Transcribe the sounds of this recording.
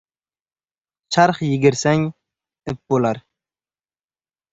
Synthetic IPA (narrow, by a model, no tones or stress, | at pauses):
t͡ʃʰɑɾχjɪɡʲɪɾsæŋ | ɪp̚bolˠɑɾ